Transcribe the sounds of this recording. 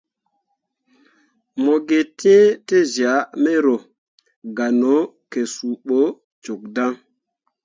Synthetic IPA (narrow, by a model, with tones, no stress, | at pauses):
mo˨ɡe˨ti˦e˦te˦zi˨a˨˦me˦ɾo˨ | ɡa˨no˨˦ | ke˨su˨ɓo˦ | t͡ʃo˨k̚da˦ŋ